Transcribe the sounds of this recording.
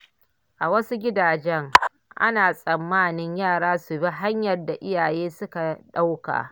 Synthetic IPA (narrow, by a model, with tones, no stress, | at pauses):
ʔa˨wɐ˦su˦ɡʲɪ˦daː˨d͡ʒɛ˦ŋ | ʔa̰˦naː˨sʼɐ˨mːaː˦˨nɪ˦ɲjaː˦˨ɽaː˦su˨bi˦ɦa˦ɲjɐ˨rda˨ʔɪ˦jaː˨jeː˦sʊ˦ka˨ɗa˦wka̰ː˨